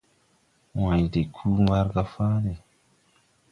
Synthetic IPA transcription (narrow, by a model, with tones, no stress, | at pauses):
wã˨jde˨kʰu˦wa˦ɾɡa˦fa˦ɾe˨